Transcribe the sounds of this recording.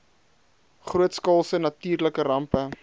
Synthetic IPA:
χruətskɑlˠsənɐtiːrləkəɾɐmpə

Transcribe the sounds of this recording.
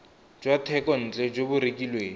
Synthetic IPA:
d͡ʒwatʰɛkɔn̩ːt͡ɬʼɛd͡ʒobʊɾekʼilweːŋ

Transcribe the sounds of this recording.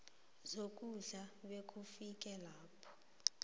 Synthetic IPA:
zokʼuɮaɓekʰʼufik̬ʼɛlaːpʰɔ̥

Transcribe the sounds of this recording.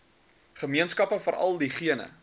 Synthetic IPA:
χəmiənskɐpəfəɾʔɐ̰lˠdiχiənə̰

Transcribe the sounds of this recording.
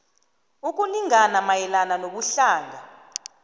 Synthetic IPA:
uk̬ʼuniŋanamajɛlananoɓuɬaːŋʱa̰

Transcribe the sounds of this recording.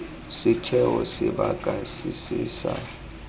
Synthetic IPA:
sɪtʰɛwɔsɪɓaɡ̥ʱasisiːsa

